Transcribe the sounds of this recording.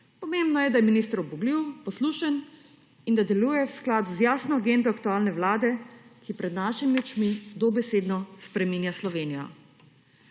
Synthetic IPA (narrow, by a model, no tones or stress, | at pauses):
pɔmembnɔjɛd̪ajɛminist̪əɾɔbuɡliwpɔsluːʃən | ind̪ad̪ɛluːjɛwsklaːd̪uzjaːsnɔɡend̪ɔakt̪uaːlnɛwlaːd̪ɛkipɾɛd̪naʃimiut͡ʃmid̪ɔbɛseːd̪nɔspɾɛmiːnjaslɔʋeːnijɔ̰